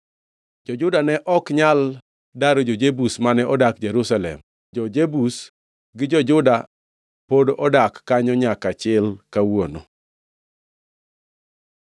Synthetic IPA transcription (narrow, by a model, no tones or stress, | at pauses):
d͡ʒɔd͡ʒʊdanɛʔɔkɲal | daɾod͡ʒod͡ʒebusmanɛʔɔdak̚d͡ʒeɾusalɛ̰m | d͡ʒɔd͡ʒebus | ɡɪd͡ʒɔd͡ʒʊda | podʔɔdakːaɲɔɲakat͡ʃɪlkawono̰